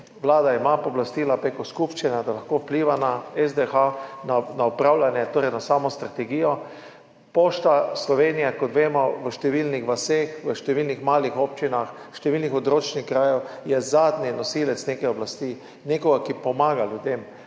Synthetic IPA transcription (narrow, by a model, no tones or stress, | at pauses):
ʋlaːd̪aimapɔblast̪iːlapɾekoskupʃt͡ʃinad̪alaxkowpliːʋanaɛzd̪exananaɔpɾawlanjɛt̪oːɾɛjnasaːmɔst̪ɾat̪ɛɡijɔ | poʃt̪aslɔʋenijɛkɔt̪ʋeːmɔʋəʃt̪ɛʋilnixʋasexʋəʃt̪ɛʋilnixmaːlixopt͡ʃinaxʃt̪ɛʋilnixɔd̪ɾoːt͡ʃnixkɾaːjowjɛzaːd̪ninɔsilɛt̪snekɛjɔblast̪iː | nekɔɡakipɔmaːɡaljud̪em